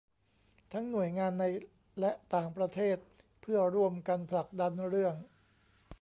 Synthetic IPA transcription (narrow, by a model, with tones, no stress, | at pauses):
t̪ʰa˦˥ŋnu˨˩əjŋaː˧nːa˧j | lɛ˦˥ʔt̪aː˨˩ŋpɾa˧t̪ʰeː˥˩t̪̚ | pʰɯ˥˩əɾu˥˩əmka˧npʰla˨˩k̚da˧nɾɯ˥˩əŋ